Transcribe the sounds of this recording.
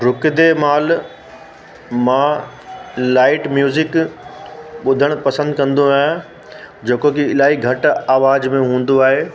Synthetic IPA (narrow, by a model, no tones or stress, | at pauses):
ɾʊkɪd̪emaːl | mã | laːɪʈmjuːzɪk | ɓʊd̪ʱəɽ̃pɐsə̃nd̪̚kɐ̃nd̪oaːɦ | d͡ʑeːkokiɪlaːɦiɡʱɐʈaːʋaːd͡ʑmẽɦũːn̆d̪oaːɦeː